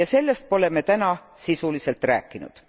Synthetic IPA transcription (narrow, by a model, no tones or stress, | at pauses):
jɑse̞lːest̪̚po̞le̞me̞t̪ænɑsisulise̞lt̪ˑræ̰ːkːˑinṵd̪̥